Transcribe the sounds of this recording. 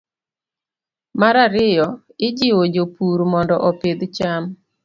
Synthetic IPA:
maɾaɾɪjɔ | ɪd͡ʒɪwod͡ʒopuɾmɔndɔʔɔped̪t͡ʃam

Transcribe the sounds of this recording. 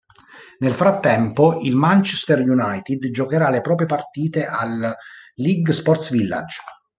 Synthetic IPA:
nelfɾat̪ːɛmpoilmant͡ʃɛst̪ɛrjunajt̪id̪d͡ʒokeɾalepɾɔːp̬ɾjepart̪iːt̪eʔalː | iɡspɔrt̪svilːa̰d͡ʒ

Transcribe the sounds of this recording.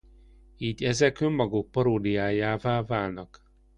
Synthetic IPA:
iːɟɛzɛkømːɒɡuk̚pɒɾoːd̪ijaːjaːvaːvaːlnɒk

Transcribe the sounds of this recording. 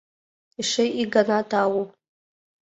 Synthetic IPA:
iʂejiɡanadʰaːwu

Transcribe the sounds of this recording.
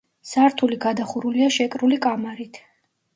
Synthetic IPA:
saɾt̪ʰuliɡad̪aχuɾuliaʃɛkʼɾulikʼamaɾit̪ʰ

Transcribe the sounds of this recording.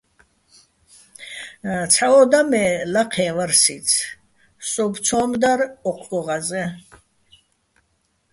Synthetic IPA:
t͡sʰaɔd̪amɛlaqʰɛːvaɾsit͡sʰ | sʼɔbt͡sʰɔːmd̪aɾɔqʰɡɔʁazɛ

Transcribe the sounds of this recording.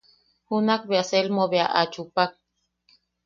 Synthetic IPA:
hunakbeaselmoβeaʔat͡ʃupak̚

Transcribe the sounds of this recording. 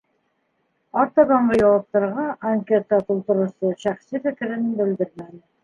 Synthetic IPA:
ɑɾt̪ɑd̪ɑɴɢɤjɑwɑp̚t̪ɑɾʁɑʔaŋkʲet̪ːɑt̪ulˠt̪ɤ̆ɾŭsɤʃæχsifɘ̆kɘ̆ɾɘ̆nnbɘ̆ld̪ɘɾmænɘ

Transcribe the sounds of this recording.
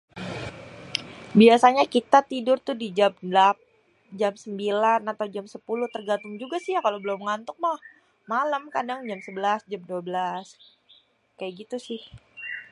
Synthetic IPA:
biasaɲakit̪at̪idʊrt̪ʊdid͡ʒamndlap̚ | d͡ʒamsəmbilanat̪awd͡ʒamsəpulʊht̪ərɡant̪ʊŋd͡ʒuɡasijakalobəlʊmŋant̪ʊk̚mah | maləmkadaŋd͡ʒamsəbəlasd͡ʒamduabəlas | kajaɡit̪usɪh

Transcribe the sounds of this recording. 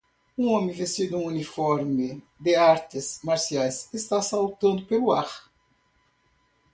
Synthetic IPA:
ũɔ̃mẽvẽst̪id̪ũunifɔɾmɪ | d̪eaɾt̪ɪsmaɾsiajsest̪asawt̪ɐ̃nd̪ʊpeluaɾ

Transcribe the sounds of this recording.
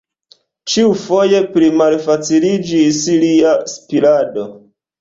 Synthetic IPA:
t͡ʃiufo̞je̞pɾimalfat͡silid͡ʒisiliaspilado̞

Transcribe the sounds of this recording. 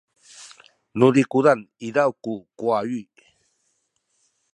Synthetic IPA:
nudikudanidawkukwajuj

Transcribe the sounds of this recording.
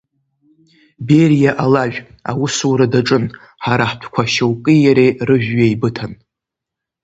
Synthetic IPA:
berjaʔalaʒᶣ | awusuwɾadaʈ͡ʂʼɨn | ħaɾaħpʷʰkʷʰaʃowkʼijaɾerɨʒᶣːajbɨtʰan

